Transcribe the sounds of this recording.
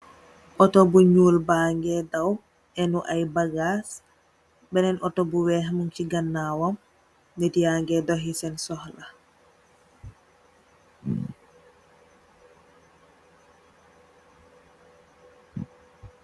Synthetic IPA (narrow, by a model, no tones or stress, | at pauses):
ʔɔtɔbuɲuːlbaŋɡɛdaw | ʔɛnuʔajbaɡas | bɛnɛnɔtɔbuwɛɦmunt͡ʃiɡanːawɔm | netijaŋɡɛdɔɦisɛnsɔhla